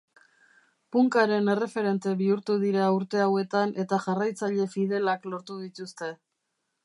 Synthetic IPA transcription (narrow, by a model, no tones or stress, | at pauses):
puŋkaɾe̞ne̞re̞fe̞ɾe̞nt̪e̞βiuɾt̪uðiɾaːuɾt̪e̞awe̞t̪ane̞t̪aʝarajt͡saʎe̞fið̞e̞laklo̞ɾt̪uðit̪ust̪e̞